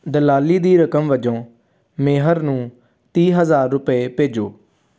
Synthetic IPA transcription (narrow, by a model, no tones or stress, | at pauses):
d̪əlaːliːd̪iːɾəkəmʋəd͡ʒõː | meːɦəɾnũː | t̪iːɦəzaːɾːʊpeːpeːd͡ʒoː